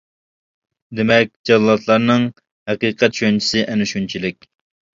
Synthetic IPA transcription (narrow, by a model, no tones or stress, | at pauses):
d̪emɛk̚ʲd͡ʒɑlˠlˠɑt̪ʰlˠɑɾnɨŋ | hɛqiːqʰɛt̪ʃont͡ʃʰi̥sɨʔænɪʃunt͡ʃʰilɪk̚ʲ